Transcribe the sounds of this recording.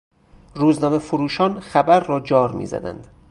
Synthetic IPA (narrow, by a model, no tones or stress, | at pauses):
ruːznɒːme̞foɾuːʃɒːnxæbæɾːɒːd͡ʒɒːɾmḭzæ̰d̪æ̰nd̪̥